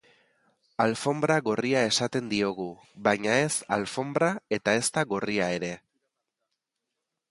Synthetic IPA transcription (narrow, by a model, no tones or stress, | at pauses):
alfo̞mbɾaɣo̞riae̞sat̪e̞nd̪io̞ɣu | βajɲae̞salfo̞mbɾae̞t̪ae̞st̪aɣo̞riae̞ɾe̞